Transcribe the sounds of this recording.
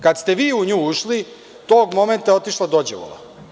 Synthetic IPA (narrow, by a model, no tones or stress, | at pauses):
kad̪st̪e̞ʋiːuɲuːuʃli | t̪oːɡmo̞ment̪aot̪iʃlˠad̪od͡ʑḛʋo̰lˠa̰